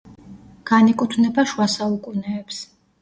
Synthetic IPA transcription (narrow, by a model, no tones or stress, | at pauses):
ɡ̥anikʼut̪ʰvnɛbaʃwasaukʼunɛːps